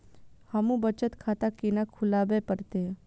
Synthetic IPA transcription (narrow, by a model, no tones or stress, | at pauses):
hɐmũbət͡ʃət̪kʰaːt̪akinakʰʊlaːbepəɾt̪e